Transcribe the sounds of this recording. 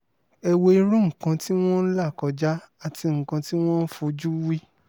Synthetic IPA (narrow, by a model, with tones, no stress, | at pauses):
ɛ˧we˧i˧ɾũ˦ŋ̩˨kã˧ti˦w̃ɔ̃˦n̩˦la˦˨kɔ˨˧d͡ʒa˦ | a˦˨ti˧ŋ̩˨kã˧ti˦w̃ɔ̃˦n̩˦fu˧d͡ʒu˦wi˦